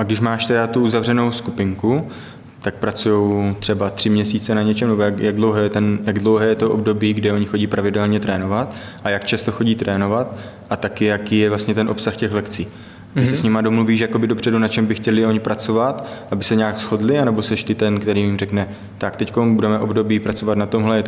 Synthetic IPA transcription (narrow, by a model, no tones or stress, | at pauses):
ʔaɡdɪʃmaːʃt̪ɛdat̪uʔuzavrɛnowskupɪŋku | t̪ak̚pɾat͡sujo̞wt̪r̥ɛbat̪r̥ɪmɲɛsiːt͡sɛnaɲɛt͡ʃɛmnɛbojakjaɡdlo̞wɦɛːjɛt̪ɛnjaɡdlo̞wɦɛːjɛt̪oʔob̚do̞biːɡdɪo̞ɲɪxo̞ɟiːpɾavɪdɛlɲɛt̪ɾɛːno̞vat̪ | ʔajakt͡ʃast̪o̞xo̞ɟiːt̪ɾɛːno̞vat̪ | ʔat̪akɪjakiːjɛvlast̪ɲɛt̪ɛnʔo̞psaxcɛxlɛkt͡siː | t̪ɪsɛsɲɪmado̞mluviːʃjako̞bɪdo̞pr̝̥ɛdunat͡ʃɛmbɪxcɛlɪo̞ɲɪpɾʔat͡so̞vat̪ʔabɪsɛɲaːksxo̞dlɪanɛbo̞sɛʃt̪ɪt̪ɛnkt̪ɛɾiːmɪmrɛknɛ | t̪akt̪ɛckombudɛmɛʔo̞bdo̞biːpɾat͡so̞vat̪nat̪o̞mɦlɛjɛt̪